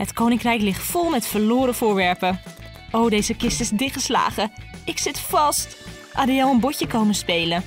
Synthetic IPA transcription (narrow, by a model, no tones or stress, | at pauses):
hətkownɪŋkrɛjklɪχtfʊlˠmɛtfəɹlʊːɾəfʊːɹʋɛɹpə | ʔowdejzəkɪstɪsdɪχəsla̰ːχəɪksɪtfɑst | ʔa̰dijɑwənbɔcəkowmənspejlə